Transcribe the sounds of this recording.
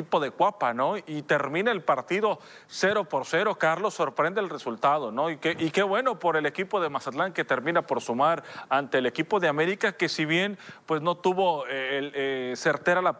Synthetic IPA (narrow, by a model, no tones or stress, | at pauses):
ipo̞ðe̞kwapano̞it̪e̞ɾmĩnaelpaɾt̪iðo̞ | se̞ɾo̞po̞ɾse̞ɾo̞kaɾlo̞sːo̞ɾpɾe̞nd̪elresult̪aðo̞noikeʔike̞βwe̞no̞po̞ɾe̞le̞kipo̞ðe̞masat̪laŋke̞t̪e̞ɾmĩnapo̞ɾsumaɾant̪e̞ːle̞kipo̞ðeame̞ɾikake̞siβje̞npwe̞sno̞t̪uβo̞elese̞ɾt̪e̞ɾala